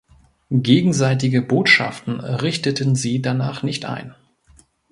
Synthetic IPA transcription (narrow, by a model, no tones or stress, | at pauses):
ɡeːɡŋ̩zaɪtɪɡəboːtʃa̰ftn̩ʁɪçtətənziːdanaːχnɪçtʔa̰ɪn